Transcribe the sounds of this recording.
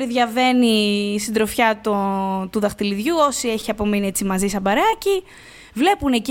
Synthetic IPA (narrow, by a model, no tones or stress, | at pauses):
ɾiðʝɐve̞nisind̪ɾo̞fçɐt̪ot̪uðɐxt̪iliðʝuo̞sie̞çiɐpo̞minie̞t͡simɐzisɐbɐɾɐci | vle̞pune̞ci